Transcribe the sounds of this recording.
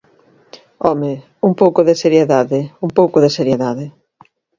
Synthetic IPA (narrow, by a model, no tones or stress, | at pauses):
ɔme | uŋpowkʊðeseɾjeðaðɪuŋpowkʊðeseɾjeðaðɪ